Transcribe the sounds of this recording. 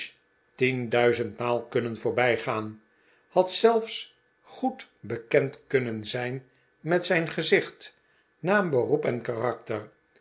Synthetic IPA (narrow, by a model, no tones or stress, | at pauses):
tindœɥzəntmaːlˠkɵnənvʊːɹbɛjχaːn | hɑtsɛlˠfs | χutbəkɛntkɵnənzɛjn | mɛtsɛjnχəzɪχt | naːmbərupɛnkarɑktər